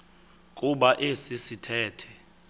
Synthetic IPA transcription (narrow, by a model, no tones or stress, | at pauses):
kʼuɓaʔesisitʰɛːtʰɛ